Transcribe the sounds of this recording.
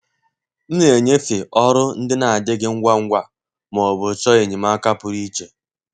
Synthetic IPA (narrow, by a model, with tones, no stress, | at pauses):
n̩˦ne˨e˨ɲe˦fɪ˨ʔɔ˦ɾʊ˦n̩˦dɪ˦na˨a˨dɪ˦ɡɪ˦ŋ̩˦ɡʷa˦ŋ̩˦ɡʷa˦ | mɔ˨bʊ˨t͡ʃɔ˦e˨ɲɪ˨ma˦ka˦pʊ˨ɾi˦t͡ʃe˨